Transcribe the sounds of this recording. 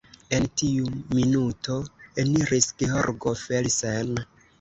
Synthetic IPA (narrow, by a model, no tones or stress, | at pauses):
e̞ntiuminuto̞eniɾisɡ̥eɦo̰ɾɡofelisen